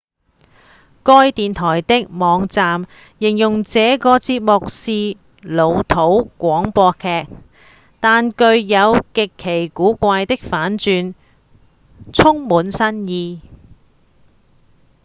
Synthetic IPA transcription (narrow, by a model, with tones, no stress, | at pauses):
kɔː˧˥jt̪iː˨nt̪ʰɔː˨˩jt̪ɪ˥k̚mɔː˨˧ŋt͡saː˨m | jɪ˨˩ŋjʊ˨˩ŋt͡sɛː˨˧kɔː˧t͡siː˧p̚mʊ˨k̚siː˧ | lo˨˧wt̪ʰo˨˥wkʷɔː˨˥ŋpɔː˧kʰɛː˧k̚ | t̪aː˨˧nkɵ˧ɥjɐ˨˧wkɪ˨kʰːe˨˩jkuː˨˥kʷaː˧jt̪ɪ˥k̚faː˨˥nt͡ʃyː˧n | t͡sʰʊ˥ŋmuː˨˥nsɐ˥njiː˧